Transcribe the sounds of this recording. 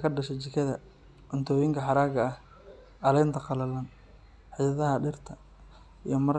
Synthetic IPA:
kʰɐɖɐʃɛt͡ʃɪkʰɐðɐ̰ | ʔʊnt̪ʰɔːjɪŋkʰɐħɑɾaːɡɐɐh | ʔɐlɛnt̪ʰɐqɑlɐlɐn | ħɪjɐðɐɦɐɖɪrt̪ʰɐ | ḭjɞmɐɾ

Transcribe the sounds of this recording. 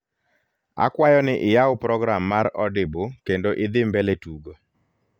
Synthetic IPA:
a̰kwajɔnɪʔɪjawʊpɾɔɡɾamːaɾɔdɪbokendoʔɪd̪ɪmbeletuɡo

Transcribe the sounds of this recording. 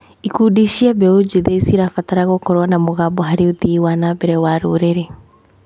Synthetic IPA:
ikudiʃiabɛod͡ʒiðeisiɾafataɾaɣokɔɾwanamoɣabɔɦaɾeoðiwanabɛɾɛwaɾoɾeɾe

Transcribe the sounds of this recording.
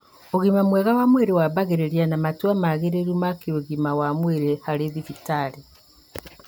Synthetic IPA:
oɣimamwɛɣawamweɾewaβaɣeɾeɾianamatwamaɣeɾeɾumakeoɣimawamweɾehaɾeðifitaɾe

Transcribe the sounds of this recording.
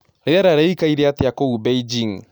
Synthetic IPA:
ɾeðaɾaɾɛikaiɾeat̪ejakoubeid͡ʒiŋ

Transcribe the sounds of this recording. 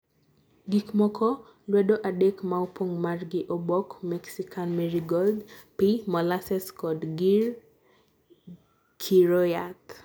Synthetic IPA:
ɡikmɔkʰɔ | lwɛdoʔadekmaopoŋmarɡɪʔɔbɔkmɛksikʰanmɛɾiɡɔldpimɔlasɛskɔdɡir | kʰiɾojat

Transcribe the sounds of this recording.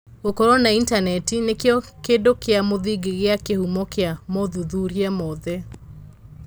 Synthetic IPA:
ɣokɔɾɔnaintanɛtinekeɔkeːdokeamoðiɡeɣeakehumɔkeamɔðuðuɾiamɔðɛ

